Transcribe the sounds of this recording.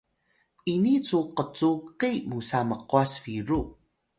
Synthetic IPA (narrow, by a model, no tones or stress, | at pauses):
init͡suqət͡suqimusaməquasfiɾu